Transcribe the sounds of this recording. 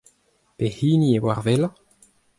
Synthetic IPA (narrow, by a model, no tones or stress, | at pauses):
pehiːniewaʁvela